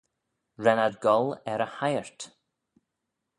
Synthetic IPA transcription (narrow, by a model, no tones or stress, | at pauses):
ɹɛnadɡɔlˠɛɾəhajəɹt